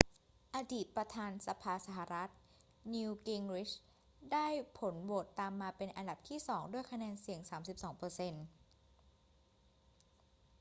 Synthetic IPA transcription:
ʔa˧diː˨˩t̪̚pɾa˧t̪ʰaː˧nsa˧pʰaː˧sa˧ɦa˨˩ɾa˦˥t̪̚ | niː˧wki˧ŋɾi˦˥t͡ɕ | daː˥˩jpʰo˩˦nwoː˨˩t̪ːaː˧mːaː˧pe˧nʔa˧nda˨˩p̚t̪ʰiː˥˩sɔː˩˦ŋdu˥˩əjkʰa˧nɛː˧nsi˨˩˦əŋsaː˩˦msi˨˩p̚sɔː˩˦ŋpɤː˧se˧n

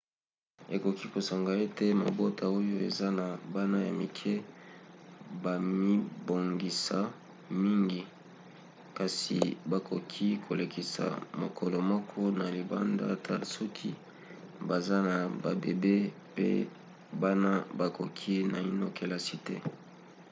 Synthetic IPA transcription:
e˨ko˨ki˦ko˨sa˨ŋɡa˨e˦te˦ma̰˨bo˦ta˨o˦jo˦e˨za˦na˨ba˦na˦ja˨mi˨kʰɛ˦ | ba˨mi˦bo˨ŋɡi˨sa˨ | mi˦ŋɡi˨ | ka˨sḭ˨ba˨kʰo˨kʰi˦kʰo˨le˨ki˨sa̰˨mo˨kʰɔ˨lo˨mɔ˦kʰɔ˦na˨li˨ba̰˦nda̰˦tʰa̰˨sɔ˦kʰi˦ | ba˨za˦na˨ba̰˨bḛ˨be˦ | pḛ˦ | ba˦na˦ba˨ko˨kʰi˦na˨i˦no˦ke˨˦la˦si˦tɛ̰˦

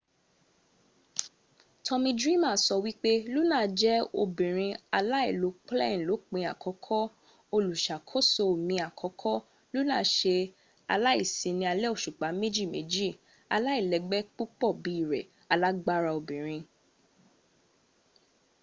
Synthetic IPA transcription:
tʰɔ̃˧mĩ˧dɾi˦mãː˦˨sɔ˧wi˦k͡pe˦lu˦nãː˦˨˧d͡ʒɛ˦o̰˧bĩ˨ɾ̃ĩ˧a˧la˦i˦˨lo˨˦k͡plɛ̰̃˦˨lo˨˦k͡pĩ˧˦a˨kʰɔ˨˦kʰɔ˦ | o˧lu˨ʃa˨kʰo˦so˧˨mĩ˧a˨kʰɔ˨˦kʰɔ˦ | lu˦nãː˦ʃe˧ | a˧la˦ḭ˦˨sĩ˧nĩ˧a˧lɛ˦o˦˨ʃu˨k͡pa˨˦me˦d͡ʒi˦˨mḛ˨˦d͡ʒi˦˨ | a˧la˦i˦˨lɛ˨ɡ͡bɛ˦k͡pu˦k͡pɔ˦˨bi˨˦i˦˨ɾɛ̰˨ | a˧la˦ɡ͡ba˦ɾa˧o˧bĩ˨ɾ̃ĩ˧

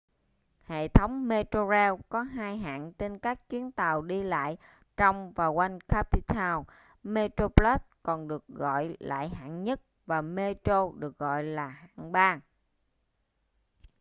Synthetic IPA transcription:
hḛ˧˨t̪ʰə˨˦wŋ͡mme˧t̪o˧zɛ˧wkɔ˨˦ɦaː˧jɦa̰ː˧˨ŋnt͡ɕe˧nkaː˦˥k̚t͡ɕwi˨˦ənt̪aː˨˩wɗi˧la̰ː˧˨j | t͡ɕɔ˧wŋ͡mvaː˨˩kwa˧jnka˦˥pi˧t̪ʰaː˧w | me˧t̪ɾo˧pla˦˥s̚kɔ˨˩nɗɨ˨˩ək̚ɣɔ̰˧˨jla̰ː˧˨jɦa̰ː˧˨nɲə˦˥t̚ | vaː˨˩me˧t̪o˧ɗɨ˨˩ək̚ɣɔ̰˧˨jlaː˨˩ha̰ː˧˨ŋɓaː˧ŋ

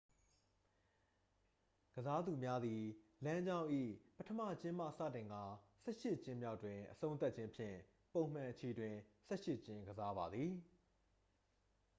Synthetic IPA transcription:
ɡ̥əza˦d̪u˨mja˦d̪ði˨lã˦ɲd͡ʑã˦ʊ̃ʔḭ˦˨pə˦tʰəmä̰˦˨t͡ɕɪ̃˦ma̰˦˨sä̰˦˨tɪ̃˨ŋɡa˨sɛ̰˦ʃɪ˦ʔt͡ɕɪ̃˦mja˦ʊtːwɪ̃˨ʔəsʰõ˦ʊ̃nt̪a˦tt͡ɕʰɪ̃˦mpʰjɪ̰̃˦˨ | põ˨m̥ã˨ʔət͡ɕʰe˨dwɪ̃˨sɛ̰˦ʃɪ˦ʔt͡ɕɪ̃˦ŋɡəza˦ba˨d̪ði˨

